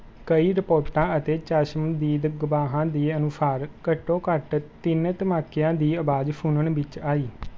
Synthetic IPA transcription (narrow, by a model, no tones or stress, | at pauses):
kəiːɾɪpoːɾʈãːət̪eːt͡ʃaːʃəmd̪iːd̪ɡʊʋaːɦãːd̪iːənʊsaːɾkəʈːõːkəʈt̪ɪnt̪əmaːkːɪjãːd̪iːəbaːd͡ʒpʰuːnəɳʋɪt͡ʃaːiː